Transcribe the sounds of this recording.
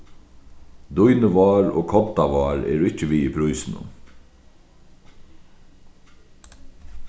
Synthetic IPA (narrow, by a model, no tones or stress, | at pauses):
d̪ujnəʋɑːɾo̰ːkʰɔt̪aʋɑːɾɛ̰ːɾʊɪt͡ʃəʋiːipʰɾujsɪnʊ̰m